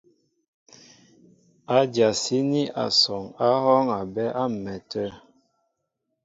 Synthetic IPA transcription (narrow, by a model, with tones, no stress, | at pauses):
a˨d͡ʒja˨si˦ni˦ʔa̰˨sɔ˨ŋa˦hɔ˦ŋa˨bɛ˦ʔa˦m̩˨mɛ˨tʰə˦